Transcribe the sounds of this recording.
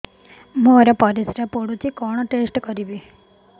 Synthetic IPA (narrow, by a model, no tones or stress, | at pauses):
moːɾɐpɐɾisɾɐpoɽut͡ɕːikoːɳɐʈeːsʈɨkɐɾiʋi